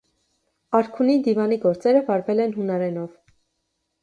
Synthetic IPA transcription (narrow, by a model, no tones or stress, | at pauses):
ɑɾkʰunind̪ivɑniɡɔɾt͡sɛɾəvɑɾvɛlɛnɦunɑɾɛnɔv